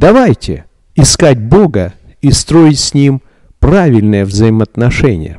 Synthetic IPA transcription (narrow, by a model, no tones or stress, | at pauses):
d̪ɐvajtʲɪ̰ | ɪskatʲbo̞ɡə | ist̪ɾo̞ɪtʲsʲnʲim | pɾavʲɪlʲnɨjəvzəɪmət̪nɐʂɛnʲɪ̰jə̰